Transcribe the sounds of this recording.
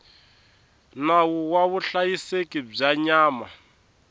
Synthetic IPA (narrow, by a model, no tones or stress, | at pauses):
nawuwaβuɬajisekib͡ʐaɲaːma